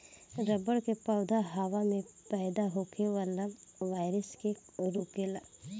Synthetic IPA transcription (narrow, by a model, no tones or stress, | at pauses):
ɾəbəɽkepaʊd̪ʱaɦaʋamẽpaːd̪aɦokʰeʋəlaʋaːɪɾəskeɾuːkela